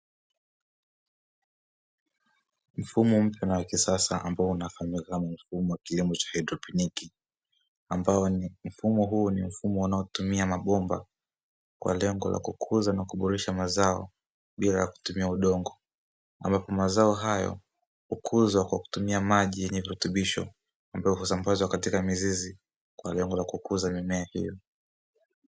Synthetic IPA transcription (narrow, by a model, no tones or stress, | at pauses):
m̩fumɔm̩pjanawakisasaʔa̰mbaɔunafamikanam̩fumɔwakilimɔt͡ʃḁhajdɾɔpiniki | ambaɔm̩fumɔɦuːnim̩fumɔunaɔtumiamaɓɔmba̰ | kwa̰lɛŋɡɔ̰lʔa̰kukʰuzanakuɓɔɾɛʃamazaɔ̰ | ɓila̰jaku̥tumiauɗɔŋɡɔ | a̰mbapɔmazaɔɦajɔ̰ | hukʰuzwakwaku̥tumiamaʄijɛɲɛviɾutuɓiʃɔ̰ | ambajɔɦusambazwakatikamizizi | kwalɛŋɡɔlakukuzamimɛahḭjɔ